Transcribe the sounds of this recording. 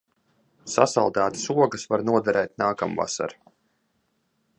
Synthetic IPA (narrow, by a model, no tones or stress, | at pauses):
sasalˠd̪aːt̪i̥suɔɡəsvaɾnuɔd̪ɛɾɛːt̪̚naːkamva̰sa̰ɾ